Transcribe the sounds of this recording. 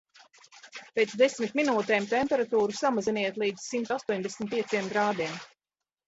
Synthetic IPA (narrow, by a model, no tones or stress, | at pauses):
peːt̪sd̪esmit̪minuːt̪ɛːmt̪ɛmpɛɾat̪uːɾusamaziniɛt̪lˠiːd̪z̥simt̪ast̪uɔɲd̪esʲmʲit̪̚piɛsiɛmɡ̪ɾaːd̪iɛm